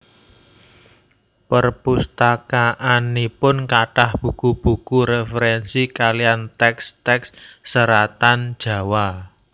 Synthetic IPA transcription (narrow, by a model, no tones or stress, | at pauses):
pərpust̪akaʔanipʊnkaʈahb̥ṳkub̥ṳkuɾefəɾɛnsikalijant̪ɛkst̪ɛksːəɾat̪and̥ʒ̥ä̤wa